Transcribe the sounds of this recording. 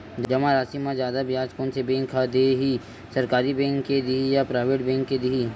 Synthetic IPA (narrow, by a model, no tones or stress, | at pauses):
d͡ʒd͡ʒɐmãɾaːsimãd͡ʒjaːd̪abʱiaːd͡ʒkõnsebẽːŋkʰːad̪eɦiː | sɐɾkaːɾibɛ̃ːŋkːed̪iɦijapɾaːɪʋeːʈbẽːŋkːed̪iɦiː